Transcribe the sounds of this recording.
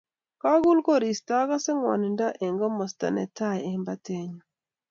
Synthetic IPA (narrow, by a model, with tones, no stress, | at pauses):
ka˦ɡu˦lko˦ɾi˨sta˦ɡa˦sɛ˦ŋwa̰˨ni˨nda˦ʔe˨ŋɡɔ˦mɔ˨sta̰˨nɛ̰˨ta˦˨je˨mba˦te˦ɲɔ˨